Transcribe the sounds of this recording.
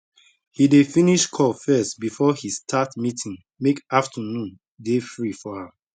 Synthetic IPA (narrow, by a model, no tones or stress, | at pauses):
hidefĩniʃkʰɔfɛstbifɔhistʰatmitʰĩŋ | mekaftʰənũn | defɹifɔhãm